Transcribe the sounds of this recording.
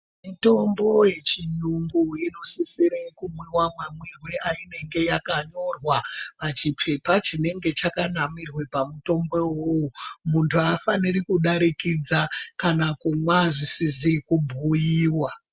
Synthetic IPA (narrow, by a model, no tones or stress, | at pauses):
mito̞mbo̞je̞t͡ʃiɲuŋɡuino̞sisiɾekumwiwamwamwirweʔaine̞ŋɡe̞jakaɲo̞rwapat͡ʃipʰe̞pat͡ʃine̞ŋɡe̞t͡ʃakanamirwe̞pamuto̞mbe̞wowumuntʰuafanirikuɗaɾikid͡zakanakumwaʐisizikubʱujiːwa